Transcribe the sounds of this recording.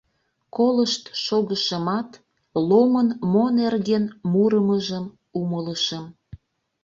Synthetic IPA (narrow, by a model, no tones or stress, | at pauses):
koləʃt̪ʃoɣəʃəmɑt̪ | lomənmonerɣenmuɾəməʒəm | umələʃəm